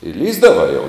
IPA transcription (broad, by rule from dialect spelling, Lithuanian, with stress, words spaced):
ɪ ˈlʲiːzdɐʋɐɪ jɛʊ